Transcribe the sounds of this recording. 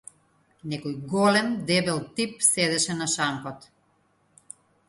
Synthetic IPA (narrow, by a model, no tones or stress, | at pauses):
nɛkɔjɡɔlɛmd̪ɛbɛlˠt̪ip̚sɛd̪ɛʃɛnaʃaŋkɔt̪